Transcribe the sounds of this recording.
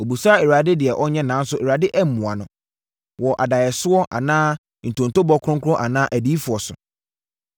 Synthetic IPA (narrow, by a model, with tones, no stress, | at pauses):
o˨bu˨sa˦˨e˨ɾa˨dɪ˦dɪ˨ɛ˨ʔɔ˦ɲɛ̃˦nã˨˦n̩˦sʊ˦ʔe˨ɾa˨dɪ˦ʔɛ˦m̩˨mũ˨a˨nʊ̃˨ | wɔ˨ʔa˨da˨jɛ˨sʊ˦ɔ˦ʔa̰˨nãː˦ | n̩˨tʰõ˨n̩˨to˦bɔ˦kʰʊ˦ʊ̃˦ŋ˦kʰʊ˦ʊ̃˦ʔa˨nãː˦ʔæ˨di˦fʊ˨ɔ˨sʊ̰˨